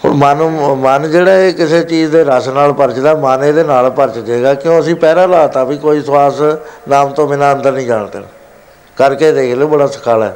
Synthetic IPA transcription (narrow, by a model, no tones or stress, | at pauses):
ɦo̰ːɾmənumənd͡ʒeːɽaːeːkɪseːt͡ʃiːd͡ʒd̪eːɾaːsnaːlpəɾt͡ʃd̪aːmaːneːd̪eːnaːlpəɾt͡ʃd͡ʒeːɡaːkɪjõːəsĩːpɛːɾaːlaːt̪ãːbiːkoːiːswaːsnaːmt̪õːmɪ̃ːnãːə̃nd̪əɾnĩːd͡ʒaːɳt̪ḛːn | kəɾkeːd̪eːklobəɽaːsə̥kʰaːlɛː